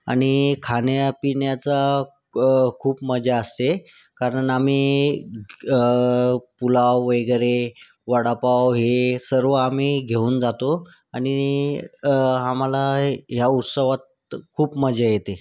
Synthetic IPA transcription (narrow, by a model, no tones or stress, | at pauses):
a̰ɽ̃ikʰanjapinjat͡sa | kʰuːpməd͡ʑaəst̪e | kaɾəɳam̤iː | pulawʋəjɡɾe | ʋaɽapawɦesəɾʋəam̤iːɡʱeuːnd͡zat̪o | aɽ̃i | amalaɦjaut̪səʋat̪̚ | kʰuːpməd͡zʱajet̪e